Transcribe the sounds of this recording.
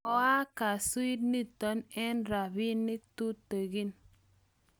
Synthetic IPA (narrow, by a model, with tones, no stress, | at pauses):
ɔ˨a˦ka˨su˦i˦t̚ni˦tɔ˨˦nɛ˦nɾa˨bi˦nːi˦ktu˦te˨ɡi˦n